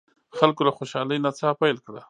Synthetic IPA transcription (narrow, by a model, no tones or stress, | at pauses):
xalkolaxoʃɑləjnat͡sɑpajlkɽa